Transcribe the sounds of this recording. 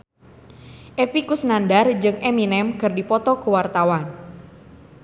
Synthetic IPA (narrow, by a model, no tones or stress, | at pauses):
ʔepikusnandard͡ʒɨŋɛminɛmkɨrdipɔt̪ɔkuwart̪awan